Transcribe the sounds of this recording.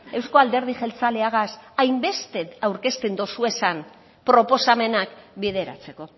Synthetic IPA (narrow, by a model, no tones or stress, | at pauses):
e̞wsko̞ald̪e̞ɾð̞ixe̞lt͡saleaɣasajmbe̞st̪e̞awɾke̞st̪end̪o̞sue̞san | pɾo̞po̞same̞nakbið̞e̞ɾa̰t͡se̞ko̞